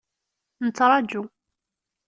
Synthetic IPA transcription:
nət͡sːɾˤɑd͡ʒu

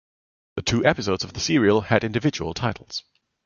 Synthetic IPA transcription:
ðətʰʉːʔɛpɨs̬oʊdz̥əvðəsɪɹiəlˠɨɾɪ̃ndɨvɪd͡ʒəwə̰lˠtʰaɪtʰˡl̩ˠz̥

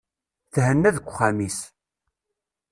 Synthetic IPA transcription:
θhənːæðəkʷːχamis

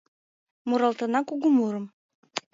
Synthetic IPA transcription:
muɾɑlˠt̪ɤ̆nɑkuɣumuɾɤ̆m

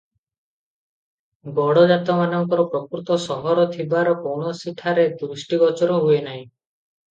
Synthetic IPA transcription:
ɡɔɽɔd͡ʒat̪ɔmanɔŋkɔɾɔpɾɔkɾut̪ɔsɔɦɔɾɔt̪ʰibaɾɔkowɳɔsiʈʰaɾed̪ɾusʈiɡɔt͡ʃɔɾɔɦuenaɦĩ

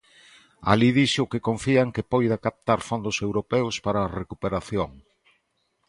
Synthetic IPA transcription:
a̰liðiʃʊkekoɱfiaŋkepojðakap̚t̪aɾfond̪ʊsewɾopɛwspaɾaːrekupeɾaθjoŋ

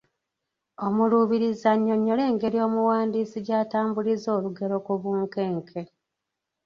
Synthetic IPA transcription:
o̞muluβiɾizaɲːo̞ɲːo̞le̞ːŋɡe̞ɾio̞ːmuwaːndiːsiɟaːtaːmbulizo̞ːluɡe̞ɾo̞kuβuːŋkeːŋkʰe

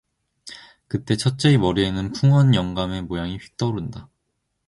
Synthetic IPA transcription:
kɯt͈e̞t͡ɕʰʌt̚t͡ɕ͈e̞imʌɾienɯnpʰuŋʌnjʌŋɡame̞mojaŋiɸɥi̥k̚t͈ʌɾunda

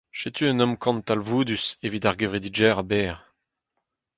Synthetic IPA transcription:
ʃet̪ʰyə̃nɔmkʰɑ̃nt̪alvuːd̪ysevit̪aʁɡevʁid̪id͡ʒɛːʁabɛːʁ

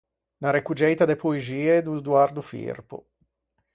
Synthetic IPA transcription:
naɾekud͡ʒɛjt̪ad̪epoeziːed̪ud̪uard̪ufḭrpo̰

